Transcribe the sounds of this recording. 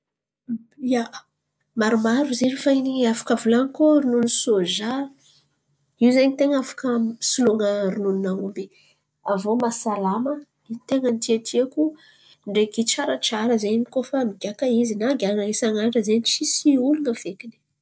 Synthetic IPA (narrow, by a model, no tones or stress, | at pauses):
jaʔ | maɾumaɾuziɾifainiafḁkəvulankoɾinunisoʒa | iwzeɲit̪eŋafḁkəsuluŋəɾinuninaumbi | avomasalamə | it̪eŋənt̪iat̪ʰiaku | ɳɖ͡ʐeɡit͡ʃaɾaʈ͡ʂaɾəzeɲmikofamiɡ̥ʲakaizinaɡʲaŋaesaŋaɳɖ͡ʐəzeɲit͡sisiulunəfekini̥